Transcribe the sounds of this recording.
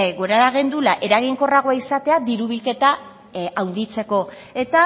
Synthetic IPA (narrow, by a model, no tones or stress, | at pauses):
ɡoɾaɾaɣend̪ulaʔe̞ɾaɣ̞iŋko̞raɣoaisat̪e̞ad̪iɾuβ̞ilke̞t̪a | awnd̪it͡se̞ko̞ | e̞t̪a